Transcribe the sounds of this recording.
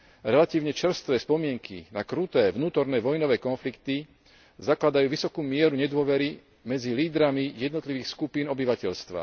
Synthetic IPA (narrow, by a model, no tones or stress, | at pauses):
ɾɛlat̪iːʊɲɛt͡ʃr̩st̪ʋɛːspɔmɪɛŋkʰḭnakɾut̪ɛːʋnuːt̪ɔɾnɛːʋɔjnɔʋɛːkɔnflikt̪i | zaklad̪ajuːʋisɔkuːmɪɛɾuɲɛd̪ʊɔʋɛɾi | mɛd͡ziliːd̪ɾamijɛd̪nɔt̪liʋiːxskupiːnɔbiʋacɛʎst̪ʋa̰